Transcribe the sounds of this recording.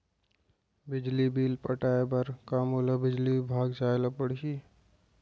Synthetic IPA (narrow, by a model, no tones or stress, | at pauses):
bɪd͡ʒlibiːlpəʈaːebəɾkaːmoːlabɪd͡ʒlibʱaːɡd͡ʒaːlapəɽ̤ʃiː